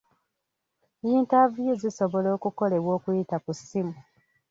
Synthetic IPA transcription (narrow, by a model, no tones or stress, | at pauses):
iːntavjeziso̞βo̞lo̞ːkuko̞le̞βwo̞ːkujitakusimu